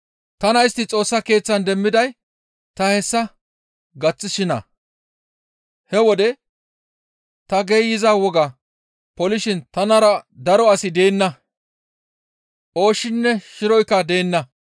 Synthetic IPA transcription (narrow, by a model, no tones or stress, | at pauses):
t̪ɐnɐjɪst̪ːɪt͡sʼo̞ːsːɐke̞ːt͡sːɐnd̪ɛmːɪd̪ɐj | t̪ɐhɛsːɐ | ɡɐt͡sːɪʃɪnɐ̰ | hɛwɔd̪ɛ | t̪ɐɡeːjɪzaːwɔɡɐ | pɔlɪʃɪnt̪ɐnɐɾɐd̪ɐɾɔɐsɪd̪e̞ːnːɐ | ʔo̞ːʃːɪnːɛʃɪɾɔjkːɐd̪e̞ːnːɐ